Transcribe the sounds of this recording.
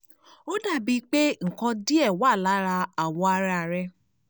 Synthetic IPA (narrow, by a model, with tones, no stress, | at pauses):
o˦da˦˨bi˧k͡pe˦ŋ̩˨kɔ̃˧di˦ɛ˦˨wa˦˨la˨˦ɾa˧a˨wɔ˧a˧ɾa˧ɾɛ˧